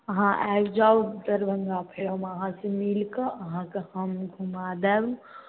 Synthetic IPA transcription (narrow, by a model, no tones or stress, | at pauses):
əɦãʔɛ̰wd͡ʒawd̪əɾbʱəŋɡapʰeləmeəɦãsəmilkəəɦãkehəmɡʱumad̪ɛb